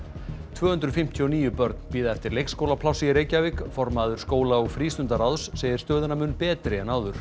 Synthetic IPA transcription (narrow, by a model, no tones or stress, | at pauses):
t̪ʰvœːhʏnt̪ɾʏðfɪm̥t̪ʰiɔniːjʏpœɾt̪npiːðaɛft̪ɪɾlejkskowlapʰlawsiɾeːjcavɪkfɔɾmaðʏɾ̥skoːwlaoɣfɾiːst̪ʏnt̪aɾawðsːeːjðɪɾ̥st̪œːðɪnamʏːnpɛːt̪ɾɪɛnawðʏɾ̥